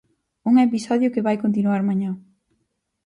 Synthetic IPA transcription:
uŋepisɔðjʊkɪβajkont̪̬inuaɾmaɲã

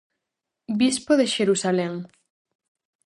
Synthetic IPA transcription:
bispoðeʃeɾusaleŋ

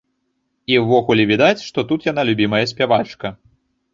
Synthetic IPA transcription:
iwːɔɣulʲɛvʲid̪at͡sʲʂt̪ɔt̪ut̪jan̪alʲubʲimɐjɐsʲpʲavat͡ʂkɐ

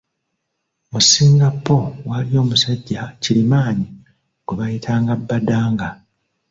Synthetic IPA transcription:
musiːŋɡapːo̞walio̞ːmusaɟːacilimaːɲi | kuβajitʰaːŋɡabːadaːŋɡa

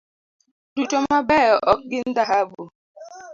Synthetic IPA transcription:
dutɔmabɛjɔʔɔk̚ɡɪn̩daɦabu

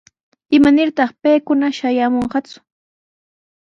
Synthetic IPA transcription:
ɪmanɪɾt̪ɑχpejkʊnaʃajamoɴɢɑt͡sʊ̥

